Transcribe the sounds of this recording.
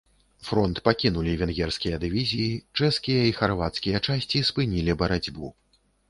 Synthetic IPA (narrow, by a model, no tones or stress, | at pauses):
fɾɔnt̪pakʲinulʲivʲɛnɣʲɛrskʲijɐd̪ɨvʲizʲijit͡ʂɛskʲijɐixarvat̪skʲijɐt͡ʂasʲt͡sʲispɨnʲilʲibɐɾad͡zʲbu